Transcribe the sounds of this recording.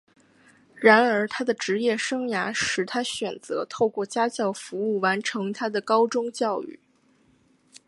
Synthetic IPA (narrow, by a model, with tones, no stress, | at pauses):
ɻa˧˥nə˞˧˥t̪ʰa˥d̪ə˨ʈ͡ʂɻ̩˧˥jɛ˥˩ʂɤ˥ŋja˧˥ʂɻ̩˨˩t̪ʰa˥ɕɥɛ˨˩nt͡sɤ˧˥t̪ʰo˥˧ʊkwɔ˥˩t͡ɕja˥t͡ɕjɑ˥˩ʊfu˧˥u˥˩wa˧˥nʈ͡ʂʰɤ˧˥ŋt̪ʰa˥d̪ə˨kɑ˥ʊʈ͡ʂʊ˥ŋt͡ɕjɑ˥˧ʊy̰˥˩